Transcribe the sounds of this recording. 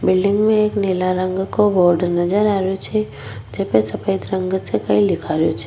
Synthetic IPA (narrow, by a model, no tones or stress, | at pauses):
bɪlɖɪ̃ŋɡmẽeːkneːlaɾə̃ŋɡkoboːɾɖnɐd͡ʒəɾaːɾjot͡ʃʰe | d͡ʒepesɐpəɪt̪ɾə̃ŋɡsekɐĩlɪkʰaɾjot͡ʃʰe̥